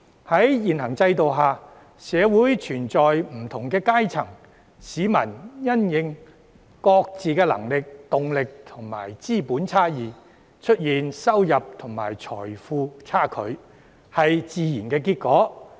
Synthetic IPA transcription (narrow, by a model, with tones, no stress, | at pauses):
hɐ˨˥jjiː˨nɦɐ˨˩ŋt͡sɐ˧jt̪̬o˨wɦaː˨˩ | sɛː˨˧wuː˨˥jt͡ʃʰyː˨˩nt͡sɔː˨jm̩˨˩t̪ʰʊ˨˩ŋkɛː˧kaː˥jt͡sʰɐ˨˩ŋ | siː˨˥mɐ˨˩njɐ˥njɪ˨˧ŋ | kɔː˧k̚t͡siː˨kɛː˧lɐ̰˨˩ŋlɪ˨k̚t̪ʊ˨ŋlɪ˨k̚t̪ʰʊ˨˩ŋma̰ː˨˩jt͡siː˥puː˨˥nt͡sʰaː˥jiː˨˩ | t͡ʃʰɵ˥t̚jiː˨nsɐ˥wjɐ˨p̚t̪ʰʊ˨˩ŋma̰ː˨˩jt͡ʃʰɔ̰ː˨˩jfuː˧t͡sʰaː˥˩kʰɵ̰˨˧ɥ | hɐ˨jt͡siː˨˧jiː˨˩nkɛː˧k̬iː˧t̚kɔː˨˥